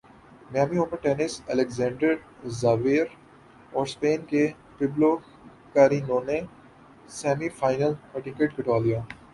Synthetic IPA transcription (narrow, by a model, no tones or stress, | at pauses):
mjaːmiʊməɾʈeːnɪsɛlekzɛ̃ːɳɖəɾ | zaːʋeːɾ | ɔːɾspeːnke | pɪblo | kaːɾiːnoːne | sɛːmifaːɪnəlpɐʈɪ̃keʈkəʈaːlijãː